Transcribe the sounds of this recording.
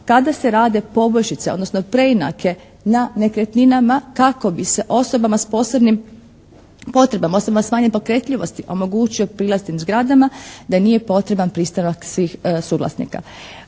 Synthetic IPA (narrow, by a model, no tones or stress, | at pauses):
kad̪ase̞ɾaːd̪e̞po̞bo̞jʃit̪seod̪nosno̞pɾe̞ina̰kʰe̞ | nane̞kɾe̞t̪ninamakako̞bise̞ʔo̞so̞bamaspo̞so̞bnim | po̞t̪ɾe̞bamaosobamasmaːɲepo̞kɾe̞t̪ʎiʋo̞st̪iʔo̞mo̞ɡuːt͡ʃio̞pɾiːlˠast̪imzɡɾad̪amad̪anije̞po̞t̪ɾe̞banpɾiːst̪anaksʋiːxsuɡlˠa̰snḭka̰